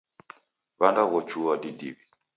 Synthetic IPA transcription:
βandaɣɔt͡ʃuwadidiβi

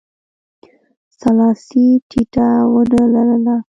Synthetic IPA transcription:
salɑsiʈʰiʈawənalaɾəla

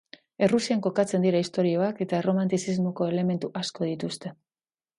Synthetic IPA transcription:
e̞rusiaŋko̞kat͡se̞nd̪iɾaist̪o̞ɾio̞ake̞t̪aero̞mant̪isizmo̞ko̞e̞le̞me̞nt̪uʔasko̞ð̞it̪ust̪e̞

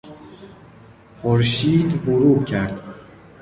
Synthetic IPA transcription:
χoɾʃiːd̪huɾuːcʰæɾd̪̥

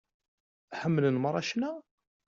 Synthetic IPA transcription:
ħəmːlənməɾˤːɑ̰ʃnæ

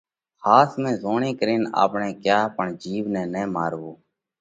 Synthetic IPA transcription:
xaːsmɛ̃ːzoːɳeːkəɾiːna̰ːpɳɛ̃ːkjaːpəɳd͡ʒiːʋnɛ̃ːnɛ̃ːmaːɾʋoː

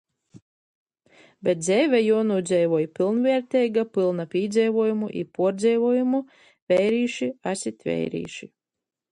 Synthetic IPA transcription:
bʲɛt̪̚d̪zʲɛjvɛjunuːd̪zʲɛjvɔɔjpilˠnvʲɛɛɾt̪ʲɛjɡapɨlˠnapʲiːd̪zʲɛjvuɔjumuʔḭpuɔɾd̪zʲɛjvuɔjumu | vʲɛjɾiːʃiasʲit̪ʲvʲɛ̰jɾḭːʃi

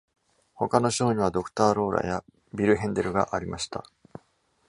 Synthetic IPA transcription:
ho̞kano̞ɕo̞ːɲ̟iβ̞ad̪o̞kɯ̟̥t̪aːɾo̞ːɾa̰ja | bʲiɾɯ̟ɦẽ̞nd̪e̞ɾɯ̟ɡa̰ʔaɾʲimaɕi̥t̪a̰

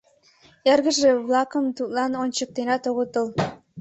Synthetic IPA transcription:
erɣə̆ʒeβlɑkəmt̪ut̪lɑnonʲt͡ɕək̚t̪enɑt̪oɣət̪əl

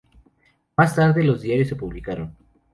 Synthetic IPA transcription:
mast̪aɾðelo̞zðjaɾjo̞sːe̞puβlikaɾon

